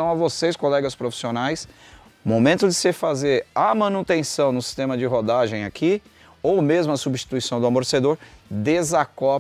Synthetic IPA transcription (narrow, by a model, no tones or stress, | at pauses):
ɐ̃w̃ɐvoseskolɛɡɐspɾofi̥sionajs | momẽnt̪ʊd͡ʒɪsɪfazeɾamɐ̃nut̪ẽsɐ̃w̃nʊsi̥st̪ẽmɐd͡ʒɪɦod̪aʒẽj̃akʰi | owmezmʊɐsubiʃt͡ʃi̥t̪uisɐ̃w̃d̪ʊamoɾsed̪oɾd̪ezakɔ